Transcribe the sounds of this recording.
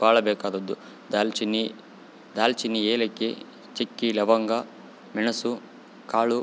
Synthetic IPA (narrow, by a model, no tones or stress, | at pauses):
baːɭɐbɛːkaːd̪ɐd̪ːu | d̪alt͡ʃini | d̪aːlt͡ʃinːieːlɐkːe | t͡ʃekːilɐʋɐŋɡɐ | minɐsu | kaːɭu